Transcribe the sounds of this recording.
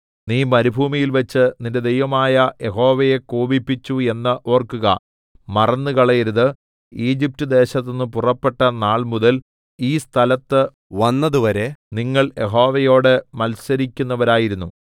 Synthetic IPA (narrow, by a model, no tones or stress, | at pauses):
niːmɐɾibʱuːmijilʋɐt͡ɕːɨninde̞d̪e̞jʋɐmaːjɐjeɦo̞ːʋɐje̞koːbipːit͡ɕːue̞nːɨʔo̞ːrkuɣɐ̰ | mɐrɐnːɨkɐɭɐjeɾuðɨ | iːd͡ʑip̚tɨd̪e̞ːɕɐt̪ːonːɨpurɐpːe̞ʈːɐnaːɭmuðɐl | iːst̪ʰɐlɐt̪ːɨ | ʋɐnːɐðuʋɐɾe̞niŋːɐɭje̞ɦo̞ːʋɐjo̞ːɽɨmɐlsɐɾikʲːunːɐʋɐɾaːjiɾunːu